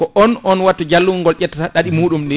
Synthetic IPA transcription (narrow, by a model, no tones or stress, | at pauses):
kɔʔɔnʔɔnwatːɔd͡ʒalːuŋŋɡɔlʔɛtːataɗaɗimuːɗumɗɛ